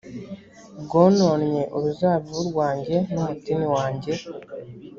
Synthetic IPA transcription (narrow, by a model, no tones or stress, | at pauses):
bɡoːno̞ːnɲe̞ʔuɾuzaːβiuɾɡwaːɲɟe̞numutimiwaːɲɟe̞